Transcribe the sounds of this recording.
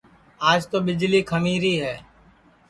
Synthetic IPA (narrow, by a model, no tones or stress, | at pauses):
aːd͡ʒt̪oːɓɪd͡ʒliːkʰəmiːɾiːɦɛː